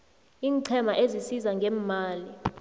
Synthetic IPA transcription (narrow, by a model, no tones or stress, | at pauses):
iːŋǀʰɛmaʔezisizaŋɡʱɛːmaːli